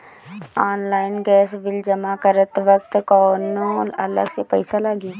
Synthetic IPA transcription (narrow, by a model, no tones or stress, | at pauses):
ɔːnlaːɪnɡɛːsʋɪld͡ʒɐmakəɾət̪ʋək̚t̪kɔːnoːɐ̰lə̰ɡsepəɪsalaːɡi